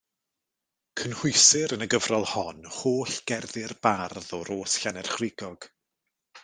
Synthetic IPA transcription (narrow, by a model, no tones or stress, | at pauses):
kʰənhʊɨsɪɾənəɡəvrɔlˠhɔnhoːɬɡ̥ɛrðɪrbarðɔɾoːsɬanɛrχrɪɡɔɡ̥